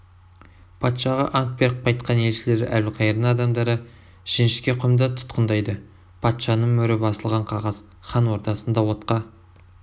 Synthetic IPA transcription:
pʰɑt̪ʃɑʁɑ̰ʔɑŋk̪̚be̞ɾq̚pʰɑjt̪̚qɑne̞lʃɪle̞ɾæ̰lqʰɑjəɾd̪ɴɑd̪ɑmd̪ɑɾə | ʒ̥ɪnʃɪ̥kʲe̞qʰʊmd̪ɑt̪ʰʊ̥t̪qənd̪ɑjd̪ə | pʰɑt̪ʃɑnəɴmɵɾɪbɑsəlˠʁɑɴqʰɑʁɑz̥ | χɑnwo̞ɾt̪ɑsənd̪ɑwo̞t̪qɑ

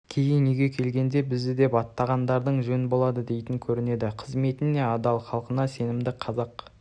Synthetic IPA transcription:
kʲʰe̞jɪŋneɡʲe̞kʲʰe̞lɡʲe̞nd̪e̞bɪzd̪ɪd̪e̞pɑt̪ːɑʁɑnd̪ɑɾd̪əɴʒɵnɪbo̞lˠɑd̪əd̪e̞jt̪ɪŋkʲʰɵɾɪne̞d̪ɪqʰəzme̞t̪ɪne̞ɑd̪ɑlˠχɑlˠqənɑse̞nɪmd̪ɪqʰɑzɑq

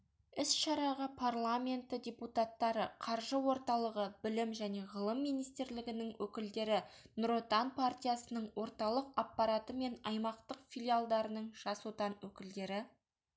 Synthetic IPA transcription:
ɪsʃɑɾɑʁɑpʰarlˠamʲe̞nt̪ɪdʲe̞put̪at̪ːɑɾəqʰɑɾʒəwo̞ɾt̪ɑlˠəʁəbɪlɪmʒæne̞ʁəlˠəmːijnijst̪ɾlɪɡʲɪnɪŋwʔɵkʲɪld̪e̞ɾɪnʊɾot̪anpʰart̪ʲijasənəɴwo̞ɾt̪ɑlˠəqapːɑɾat̪əme̞nɑjmɑqt̪əqfʲilʲijalˠd̪ɑɾənəɴʒ̥ɑsot̪ɑnwɵkʲɪld̪e̞ɾɪ

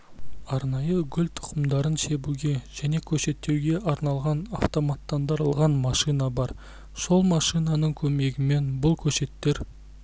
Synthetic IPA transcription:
ɑɾnɑjəɡʲʏlʲt̪ʰʊ̥qəmd̪ɑɾənʃe̞buɡʲe̞ʒ̥æne̞kʲʰɵʃe̞t̪ːe̞wɡʲe̞ʔɑɾnɑlˠʁɑnaft̪o̞mat̪ːɑnd̪ɑɾlˠʁɑnmɑʃijnɑbɑɾ | so̞lˠmɑʃijnɑnəɴkʲʰɵme̞ɡʲɪme̞nbʊlˠkʲʰɵʃe̞t̪ːe̞ɾ

